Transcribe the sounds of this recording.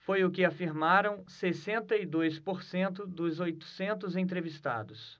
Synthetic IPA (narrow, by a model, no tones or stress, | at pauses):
fojʊkɪafiɾmaɾɐ̃w̃sesẽnt̪ɐid̪ojspoɾsẽnt̪̬ʊd̪ʊzojt̪ʊ̥sẽnt̪ʊzẽt̪ɾevist̪a̰d̪ʊs